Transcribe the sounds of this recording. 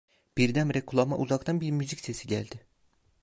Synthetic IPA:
b̥iɾd̪æmɾɛkʰulˠama̰ʔuzakt̪ʰɑnbiɾmʲyzicʲse̞siɟælʲd̪ɪ

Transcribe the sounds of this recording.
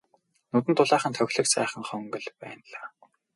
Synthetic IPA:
nut̪ɘ̆nt̪ʰʊɮaːχə̆nt̪ʰœxʲɮɘ̆ksæːχə̆ŋχœŋɡɵ̆ɮpæ̰ːnɮaː

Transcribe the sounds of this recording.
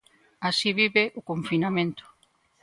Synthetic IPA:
asiβiβeʔʊkoɱfinamẽnt̪ʊ̥

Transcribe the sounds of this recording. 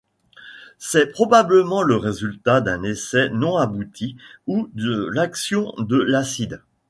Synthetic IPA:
sɛpχɔbabləmɑ̃ləʁezylt̪ad̪ɛ̃nesɛnɔ̃abut̪ʰiud̪əlaksjɔ̃d̪əlasid̪

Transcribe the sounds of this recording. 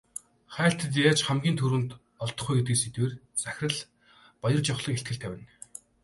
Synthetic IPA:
χæːɬt̪ə̆t̪jaːt͡ɕχæmɡʲiːnt̪ʰuɾwɘ̆nt̪ | ɔɮt̪ɞ̥̆χujɡet̪ɡɘ̆ːset̪weːr | t͡sæxʲrə̆ɮ | pɔjɞ̆rt͡ɕɔχɮɞ̆keɬt̪ɡɘ̆ɬt̪ʰæːwʲæːn

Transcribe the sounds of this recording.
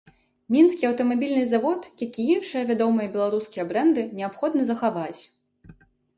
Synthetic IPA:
mʲinskʲiɐwt̪ɐmabʲilʲnɨzavɔt̪jakʲiinʂɨjɐvʲad̪ɔmɨjɐbʲɛlˠaɾuskʲijɐbɾɛnd̪ɨnʲɛapxɔd̪nɐzɐxavat͡sʲ

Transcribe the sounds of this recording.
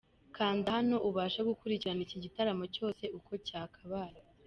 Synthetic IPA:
kaːndahano̞ʔuβaːʃaɡukuɾiciɾaniciɟitaɾamo̞co̞ːse̞ʔuko̞caːkʰaβaːɾi

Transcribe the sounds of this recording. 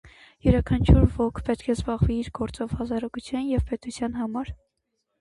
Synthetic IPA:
jɛɾɑkʰɑnt͡ʃʰuɾvɔkʰpɛt̪kʰɛzbɑʁviiɾɡɔɾt͡sɔvhɑzɑɾɑɡut͡sʰjɑnjɛvpɛt̪ut͡sʰjɑnhɑmɑɾ

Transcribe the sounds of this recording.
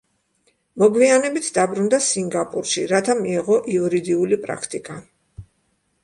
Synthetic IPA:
mɔɡwianɛbit̪ʰd̪abɾund̪asiŋɡapʼuɾʃiɾat̪ʰamiɛʁɔʔiuɾid̪iulipʼɾa̰kʰt̪ʼikʼa

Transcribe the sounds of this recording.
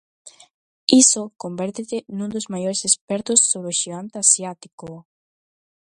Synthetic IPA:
isokombɛɾt̪et̪enũnd̪ozmajoɾesespɛɾt̪ʊsːoβɾeoʃiɣant̪asjat̪iko

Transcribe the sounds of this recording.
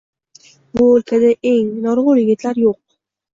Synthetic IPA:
bʊɵlkʲʰad̪aʔe̞ŋnɒɾʁʊjɪɡʲɪt̪ʰlaɾjoq̚

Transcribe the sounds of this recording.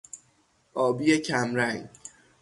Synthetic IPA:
ʔɒːbijecʰæmɾæŋ

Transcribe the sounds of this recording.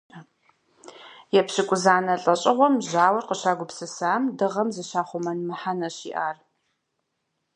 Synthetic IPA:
jɛpɕɪkʷʼʊzaːnɐɬʼɐɕʼɪʁʷɔmʑaːwɐrqəɕaːɡʷʊpsɨsaːmdɨʁɐmzɨɕaːχʷʊmɐnmɨħanɐɕḭːʔaːr

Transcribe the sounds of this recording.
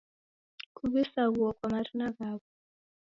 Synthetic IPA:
kʰuβisaɣuɔkwamaɾinaɣaːɣɔ

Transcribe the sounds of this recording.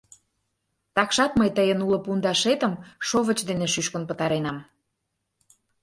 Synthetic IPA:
t̪ɑkʃɑt̪məjt̪əjənulə̆pund̪ɑʃet̪əmʃoβə̆t͡ɕd̪eneʃyʃkə̆npət̪ɑɾenɑm

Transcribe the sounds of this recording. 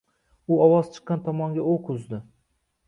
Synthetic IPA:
uɒwɒz̥t͡ʃʰɨ̥qːɑnt̪ʰɒmɒŋɡʲaoqʰʊzd̪ɪ

